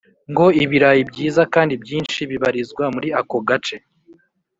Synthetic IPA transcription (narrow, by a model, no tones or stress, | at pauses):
ŋɡo̞iβiɾajibɟiːzakaːndibɟiːnʃiβiβaɾizɡwamuɾiako̞ɡat͡ʃe̞